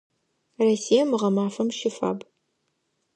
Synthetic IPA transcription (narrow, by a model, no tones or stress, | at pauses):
rɐsijɐmɨʁɐmaːfɐmʃɪfa̰ːb